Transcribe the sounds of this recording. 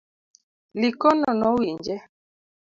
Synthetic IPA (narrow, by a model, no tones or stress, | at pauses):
likɔnɔnɔwiɲd͡ʒɛ